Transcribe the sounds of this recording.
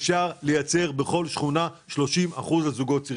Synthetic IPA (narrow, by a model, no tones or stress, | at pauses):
fʃaʁle̞jat͡se̞ʁbe̞χo̞lʃχunaʃlo̞ʃima̰χuzlazuɡo̞tt͡si